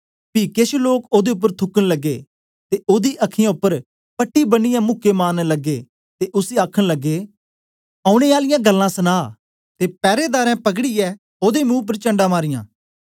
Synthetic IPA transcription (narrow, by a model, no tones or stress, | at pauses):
pikeʃloːkoːd̪eʊp̬ːəɾt̪ʰʊkːənləɡːe | t̪eʔoːd̪iʔɐkʰːɪjãʊpːəɾ | pɐʈːibənɪjãmʊkːemaːnləɡːe | t̪eʔʊsiaːkʰəɽ̃ləɡːeː | aːʊɽ̃eːaːlɪjãɡəlːãːsənaː | t̪eːpɛːɾed̪aːɾɛ̃ːpɐkɽiɛː | oːd̪emũːp̬əɾt͡ʃɐ̃ɳɖãːmaːɾɪjã̰ː